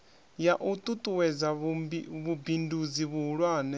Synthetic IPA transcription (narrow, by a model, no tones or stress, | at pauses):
jaʔut̪ʼut̪ʼuwɛd͡zaβiβubindud͡ziβuɦuɺwaːnɛ